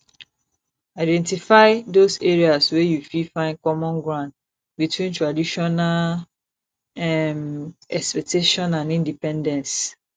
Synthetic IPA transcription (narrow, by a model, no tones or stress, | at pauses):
aɪdɛ̃ntifaɪdoseɹiaswejufifãɪ̃nkɔmɔ̃nɡɹãnd | bitwĩntɹadiʃɔnal | ɛmɛkspɛk̚tʰeʃɔ̃nãnĩndipɛ̃ndɛ̃ns